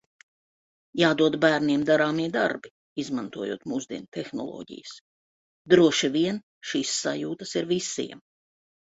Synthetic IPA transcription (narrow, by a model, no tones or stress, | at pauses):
jaːd̪uɔd̪bæːɾniɛmd̪aɾaːmiɛd̪aɾbi | izmant̪uɔjṵːt̪muːzd̪iɛnt̪exnɔ̰lˠɔ̰ːɟḭjəs | d̪ɾuɔʃiviɛn | ʃiːsːajuːt̪ɐsiɾvisḭɛm